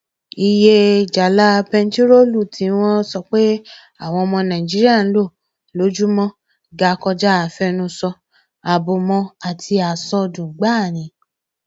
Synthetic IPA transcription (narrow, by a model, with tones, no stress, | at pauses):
i˨je˧d͡ʒa˨la˦pɛ˧n̩˦ti˦ɾo˦˨lu˦˨tĩ˨˦w̃ɔ̃˦sɔ˧k͡pe˦ | a˦˨w̃ɔ̃˧ɔ˧mɔ̃˧nã˨ĩ˨d͡ʒi˦ɾi˦a˦˨n̩˦lo˦˨ | lo˨˦d͡ʒu˦mɔ̃˦ | ɡa˨˦kɔ˧d͡ʒa˦a˨fɛ˧nũ˧sɔ˧ | a˨bo˧mɔ̃˧a˨tʰi˧a˨sɔ˧dũ˨˦ɡ͡ba˦˨ñĩ˨˦